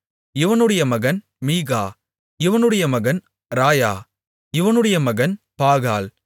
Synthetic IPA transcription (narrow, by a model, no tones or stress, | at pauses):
ɪʋɐnɯɽɐjɐmɐɣɐn | miːɣaː | ɪʋɐnɯɽɐjɐmɐɣɐn | ɾaːjaː | ɪʋɐnɯɽɐjɐmɐɣɐnpaːɣaːl